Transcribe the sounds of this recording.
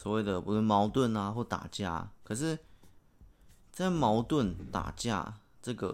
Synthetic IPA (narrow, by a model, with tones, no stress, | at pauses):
swɔ˨˩we˥˩ɪd̪ə˩pu˧˥lə˥˩nmɑ˧˥ʊt̪wə˥˨na˧xwɔ˥˩t̪a̰˨˩t͡ɕja̰˥˩kʰɤ˨˩ʂ̬ɻ̩˥˩ | t͡sa˥˩ɪmɑ˧˥ʊt̪wə˥˩˨nt̪a̰˨˩t͡ɕja̰˥˧ | ʈ͡ʂɤ˥˩ɡə̰˨˩